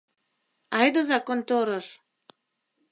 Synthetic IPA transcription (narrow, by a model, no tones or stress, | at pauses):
ɑjd̪ə̆zɑkont̪oɾəʃ